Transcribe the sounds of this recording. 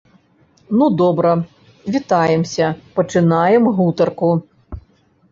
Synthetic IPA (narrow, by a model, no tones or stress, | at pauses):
nud̪ɔbɾɐ | vʲit̪ajɛmsʲɐpɐt͡ʂɨnajɛmɣut̪ɐrku